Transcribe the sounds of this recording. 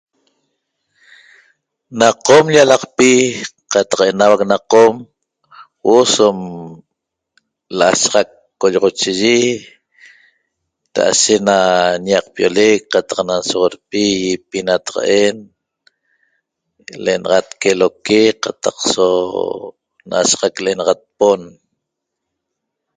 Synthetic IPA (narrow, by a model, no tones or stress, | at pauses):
naqomʎalɑqpi | qɑt̪ɑ̥qenawak̚naqom | wosom | laʔa̰ʃʁɑkːoʎɔʁot͡ʃiʒi | ɾa̰ʔa̰ʃeʔnaɲaq̚pjolekqat̪ɑqnansoʁoɾpijipinat̪ḁʁa̰ʔen | leenɑʁɑt̪kelokeqat̪aqso | naʔa̰ʃʁakleʔenɑʁat̪̚pon